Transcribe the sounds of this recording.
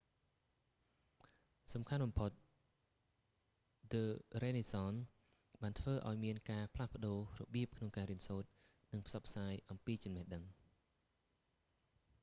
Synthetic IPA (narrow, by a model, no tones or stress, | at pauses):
sɑmkʰanɓɑmpʰot̪̚ | ləːreːnisɑːn | ɓaːnt̪ʰʋəːʔa̰ɔjmiənkaːpʰlahpə̆ɗoːrɔ̰ɓiəp̚kʰnoŋkaːɾiənsoːt̪̚ | nɨŋpʰsɑpʰːsaːjʔɑmpiːt͡ɕɑmnɛhɗəŋ